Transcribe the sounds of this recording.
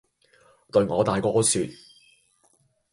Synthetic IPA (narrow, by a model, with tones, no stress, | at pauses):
t̪ɵ˧ɥŋɔː˨˧t̪aː˨jkɔː˧˥syː˨t̪̚